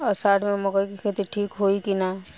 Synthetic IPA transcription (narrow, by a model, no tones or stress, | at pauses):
ɔɾsaːʈʰmẽmɔkəikikʰet̪iʈʰiːkɦoikina